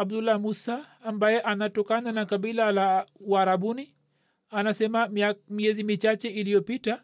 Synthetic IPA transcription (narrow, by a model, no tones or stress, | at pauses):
abdulamusaːmbajɛʔanatɔkananakaɓilalauaɾaɓuni | anasɛmamiɛzimit͡ʃat͡ʃɛilijɔpita